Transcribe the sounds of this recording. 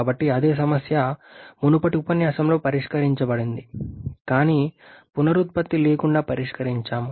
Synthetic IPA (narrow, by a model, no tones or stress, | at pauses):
bɐʈːiɐd̪e̞ːs̬ɐmɐsjɐmunupɐʈiupɐnjaːsɐmlo̞ːpɐɾiʂkɐɾiɲt͡ʃɐbɐɽind̪ikaːniːpunɐɾut̪̚pɐt̪ːile̞ːkuɳɖaːpɐɾiʂkɐɾiɲt͡ʃaːm